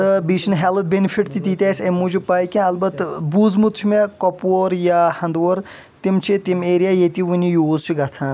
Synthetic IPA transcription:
t̪ɐbiːt͡ʃʰinɦɛlɐt̪̚bʲenipʰiʈt̪it̪it̪ʲaːsʲɐmud͡ʒupaːjkʲẽɐlbɐt̪ːbuːd͡zmut̪t͡ʃʰimekɔpoɾjaːhɐ̃nd̪ʋoɾ | t̪imt͡ʃʰit̪imeːɾijaːjet̪ʲiʋunʲijoːzt͡ʃʰiɡɐt͡sʰãːn

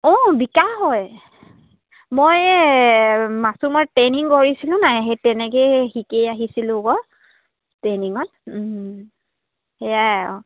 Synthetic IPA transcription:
ɔ̃bikaɦɔj | moj | masumɔteniŋkɔɹisilʊ̃najɦetɛnɛkexikejaɦisilʊ̃ɡɔ | tːeniŋɔt | hɛjaɔ̰

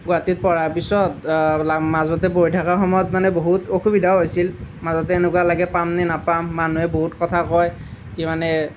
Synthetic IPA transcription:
ɡʊatit̚pɔɹaɹpisɔtlamazɔtɛbojtʰakaɹxɔmɔjɔtmanɛboɦutoxʰubidʱaɦojsilmazɔtɛenɛkwalaɡɛpamnɛnapamːanuɛboɦutkɔtʰakɔj | kimanɛ

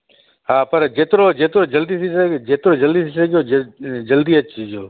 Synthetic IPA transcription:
ɦaːpɐɾd͡ʒeːt̪ɾoːd͡ʒeːt̪ɾoːd͡ʒəld̪iːsisəd͡ʒeːt̪ɾoːd͡ʒəld̪iːsisəɡjoːd͡ʒəld̪iːət͡ʃːd͡ʒoː

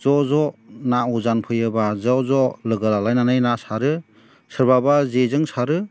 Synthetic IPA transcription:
zɔzɔnauzanpʰɯjɯbazɔzɔlɯɡalalajnanɯjnasaɾɯ | sɯɾbabazezɯŋsaɾɯ

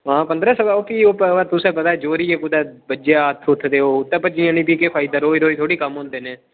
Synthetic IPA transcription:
ɦãːpənd̪ɾəːsəbaːoːpʰiːoːpːat̪ʊsẽːpət̪aːɛːd͡ʒoːɾiːeːkʊd̪ɛːbəd͡ʒaət̪ʰːʊt̪ʰːd̪eːoːʊt̪ːɛ̃ːpət͡ʃiãːnĩːpiːkepʰaːɪd̪aːɾoːiɾoːiːt̪ʰoːɽiːkəmɦõːnd̪eːnẽː

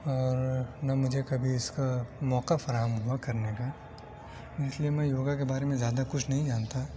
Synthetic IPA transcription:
ɔːɾnamʊd͡ʒʱekɐbʱiɪskamɔːqafɐɾaːɦəmɦuakɐɾneka | ɪsliemɛ̃joːɡakebaːɾemẽzjaːd̪akʊt͡ʃʰnɐɦĩd͡ʒaːnt̪a

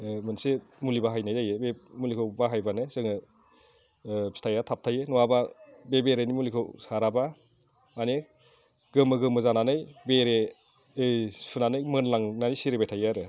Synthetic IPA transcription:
mɯnsemulibaɦajnajajebemulikʰɯwbaɦajbanɯzɯŋɯ | pi̥stʰajatʰap̚tʰajenɔwababebeɾenimulikʰowsaɾaba | ane | ɡɯmɯɡɯmɯzananɯjbeɾe | sʰunanɯjmɯnlaŋnanisiɾebajtʰajaɾɯ

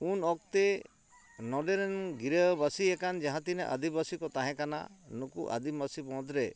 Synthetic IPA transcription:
unɔk̚t̪e | nɔɖeɾenɡiɾebasiɛkand͡ʒaɦãt̪ineʔa̰d̪ibasikɔt̪aɦɛ̃kana̰nukuʔa̰d̪imasibɔ̃d̪ɾe

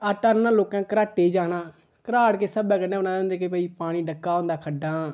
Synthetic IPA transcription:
aʈənãːloːkãːkəɾaːʈeːd͡ʒaːnaː | kəɾaːɽkeːsəbɛ̃ːkənːeːbənaːd͡ʒãːnd̪eːkepɛiːpaːɽ̃iːɖəkːaːɦõːnd̪aːkʰəɖaː

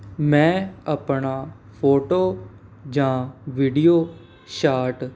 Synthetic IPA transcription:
mɛ̃ːəpɳaː | pʰoːʈoː | d͡ʒãːʋiːɖijoː | ʃaːʈ

